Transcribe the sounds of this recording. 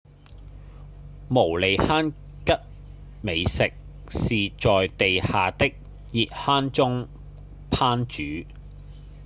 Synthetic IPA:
mo˨˩wle˨˧jhaː˥n | kɐ˥t̚ | me˨˧jsɪ˨k̚ | siː˨t͡ʃɔː˨jt̪e˨jhaː˨t̪ɪ˥k̚ | jiː˨t̚haː˥nt͡sʊ˥ŋ | pʰaː˥nt͡ʃyː˨˥

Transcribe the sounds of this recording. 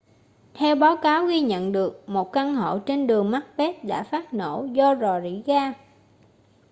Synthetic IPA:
t̪ʰɛ˧wɓaː˨˦wkaː˨˦wɣi˧ɲə̰˧˨nɗɨ˨˩ək̚mo˨˩t̚ka˧nho̰˧˨t͡ɕe˧nɗɨ˨˩əŋma˦˥t̚ɓɛ˦˥t̚ɗa̰ː˧˥faː˦˥t̚no˧˩zɔ˧zɔ˨˩zḭ˧˥ɣaː˧

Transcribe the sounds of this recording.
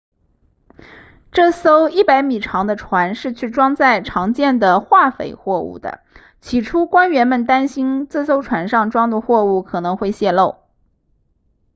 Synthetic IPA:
ʈ͡ʂɤ˥˩so˥ʊi˥˩pa˧˥ɪmi˨˩ʈ͡ʂʰɑ˧˥ŋd̪ə˧ʈ͡ʂʰwa˧˥nʂɻ̩˥˧t͡ɕʰy˥˩ʈ͡ʂwɑ˥ŋt͡sa˥˩ɪʈ͡ʂʰɑ˧˥ŋt͡ɕjɛ˥˩nd̪ə˩xwa˥˩fḛ˨˩ɪxwɔ˥˧ṵ˥˩d̪ə̰˩ | t͡ɕʰi˧˥ʈ͡ʂʰu˥kwa˥nɥɛ˧˥nmə˨nt̪a˥nɕi˥nt͡sɹ̩˥˩so˥ʊʈ͡ʂʰwa˧˥nʂɑ˥˩ŋʈ͡ʂwɑ˥ŋd̪ə˨xwɔ˥˧u˥˩kʰɤ˨˩nɤ˧˥ŋxwe˥˧ɪɕjɛ˥˧lo˥˩ʊ

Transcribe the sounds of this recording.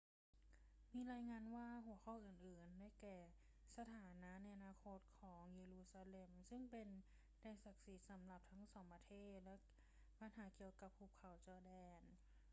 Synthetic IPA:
miː˧ɾaː˧jŋaː˧nwaː˥˩ɦu˨˩˦ɐkʰɔ˧˥˩wʔɯː˨˩nʔɯː˨˩ndaː˥˩jkɛː˨˩ | sa˧t̪ʰaː˩˦na˦˥ʔna˧jʔa˧naː˧kʰo˦˥t̪̚kʰɔː˩˦ŋjeː˧luː˧saː˧le˧msɯ˥˩ŋpe˧n | dɛː˧nsa˨˩k̚si˦t̪̚sa˩˦mla˨˩p̚t̪ʰa˦˥ŋsɔː˩˦ŋpɾa˧t̪ʰeː˥˩t̪̚lɛ˦˥ | pa˧nɦaː˩˦ki˨˩əwka˨˩pʰːu˧˩kʰːa˨˩˦wt͡ɕɔː˧dɛː˧n

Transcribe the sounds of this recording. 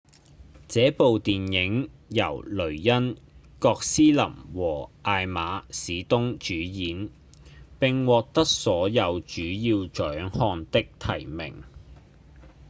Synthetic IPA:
t͡sɛː˨˥po˨wt̪iː˨njɪ˨˥ŋjɐ̰˨˩wlɵ˨˩ɥjɐ˥n | kɔː˧k̚siː˥lɐ̰˨˩mwɔː˨˩ʔaː˧jmaː˨˥siː˨˧t̪ʊ˥ŋt͡ʃyː˨˥jiː˨˥n | pɪ˨ŋwɔː˨k̚t̪ɐ˥k̚sɔː˨˥jɐ˨˧wt͡ʃyː˨˥jiː˧wt͡ʃœː˨˥ŋhɔː˧nt̪ɪ˥k̚t̪ʰɐ˨˩jmɪ̰˨˩ŋ

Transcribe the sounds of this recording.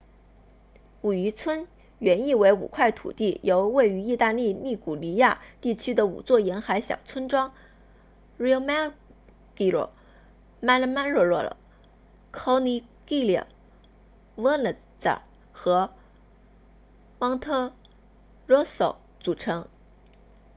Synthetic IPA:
u˨˩y˧˥t͡sʰwə˥n | ɥɛ˧˥ni˥˩we˧˥ɪṵ˨˩kʰwa˥˩ɪt̪ʰṵ˨˩t̪i˥˩jo˧˥ʊwe˥˩ɪy˧˥i˥˧t̪a˥˧li˥˧mi˥˩ku˨˩li˧˥ja˥˧t̪i˥˩t͡ɕʰy˥d̪ə˨ṵ˨˩t͡swɔ˥˩jɛ˧˥nxa˧˥ɪɕjɑ̰˨˩ʊt͡sʰwə˥nʈ͡ʂwɑ˥ŋ | ɻi˥o˧˥ma˥ | ki˥˩ɻɔ̰˥˩ | ma˥lə˧˩ma˥nɻwɔ˥˧ɻwɔ˥˩lə̰˨˩ | kʰo˧˥ʊni˧˥ki˥˩ljɛ̰˨˩ŋ | wə˥nlə˨˩ | t͡sa̰˨˩ | xɤ˧˥ | mɑ˥ŋt̪ʰɤ˥ | ɻwɔ˥so˨˩ʊ | t͡su˨˩ʈ͡ʂʰɤ˧˥ŋ

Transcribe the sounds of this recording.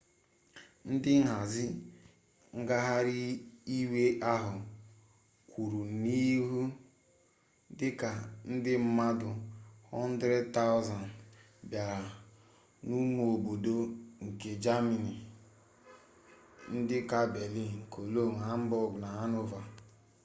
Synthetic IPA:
n̩˦dɪ˦ŋ̩˦ɦa˨zɪ˦ | ŋ̩˦ɡa˦ɦa˦ɾi˦i˦we˦ʔa˦ɦʊ˨ | kʷu˨ɾu˨ni˦ɦu˦ | dɪ˦ka˨n̩˦dɪ˦m̩˦ma˦dʊ˨hɔ˦n̩˦dɾe˦dta˦ʊ˦za˨n | bja˨ɾa˨ | nu˦mo˨o˨bo˨do˦ŋ̩˨ke˨d͡ʒa˦mi˨ni˨ | n̩˦dɪ˦ka˦be˨li˦˨ŋ̩˨kʰo˨lo˦˨ŋa˨a˦m̩˦bɔ˦˨ɡʊ˨na˨ɦa˦no˦va˨

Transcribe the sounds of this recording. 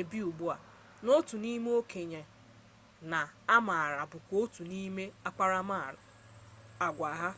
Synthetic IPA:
e˨bi˦u˨bu˦a˨ | no˦tu˨ni˦me˦o˦ke˨ɲe˨ | na˨a˦ma˨a˨ɾa˨bʊ˨kʷo˦tu˨ni˦me˦a˦k͡pa˦ɾa˦ma˦˨ɾa̰˨ | a˨ɡʷa˨ɦa˦

